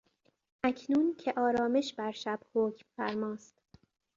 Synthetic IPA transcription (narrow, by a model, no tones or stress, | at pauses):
ʔæcʰnuːncʰeʔɒːɾɒːme̞ʃbæɾʃæb̥hoːcʰmfæɾmɒːst̪